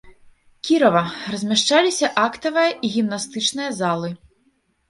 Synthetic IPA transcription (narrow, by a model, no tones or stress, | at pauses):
kʲiɾɐvɐrɐzʲmʲaʂt͡ʂalʲisʲɐʔakt̪ɐvɨjɐʔiɣʲimnast̪ɨt͡ʂnɨjɐzalˠɨ